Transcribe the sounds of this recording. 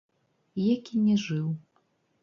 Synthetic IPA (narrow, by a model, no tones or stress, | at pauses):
jakʲinʲɛʐɨw